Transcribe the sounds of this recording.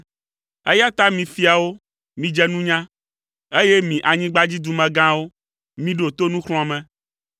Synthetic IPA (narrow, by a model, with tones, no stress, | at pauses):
e˦ja˦t̪a˦mĩ˨fi˦a˨wo˦ | mĩ˨d͡ʒɛ˦nũ˦ɲã˦ | e˦je˦mĩ˨ʔa˨ɲĩ˦ɡ͡ba˦d͡ʑi˦d̪u˨mɛ̃˨ɡã˦wo˦ | mĩ˦ɖo˨t̪o˦nũ˦xl̃mɛ̃˨